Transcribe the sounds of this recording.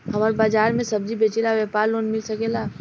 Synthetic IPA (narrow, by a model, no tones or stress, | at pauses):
hɐmaɾbaːd͡ʒaːɾmẽsɐb̚d͡ʒibeːt͡ʃelaʋjɛːpaːɾloːnmɪlsɐkelaː